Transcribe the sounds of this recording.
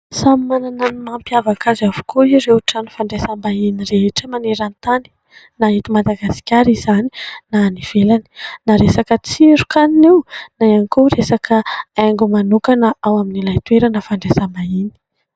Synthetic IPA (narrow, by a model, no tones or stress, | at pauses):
sammanananumampjavakazavu̥kʰoiɾewʈ͡ʂanu̥faɳɖ͡ʐesambainireʈ͡ʂəmaneɾant̪ani̥ | naɦit̪umad̪aɡasi̥kʲaɾizani̥naniv̥elani̥naɾesakət͡siieɾukaninewnajankoresakʰəaŋɡumanukanəawaminilajt̪ueɾanəfaɳɖ͡ʐesambaini̥